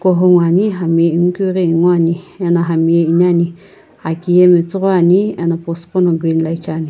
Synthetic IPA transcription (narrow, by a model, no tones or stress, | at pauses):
kʷoɦoŋʷãɲĩɦamjẽŋ̩kʷiɡeŋwʷãɲĩẽnãɦamjẽʔɲãɲĩ | hakjemĩt͡sʷaɲĩẽnãposkonõɡʷinlajt͡ʃaɲĩ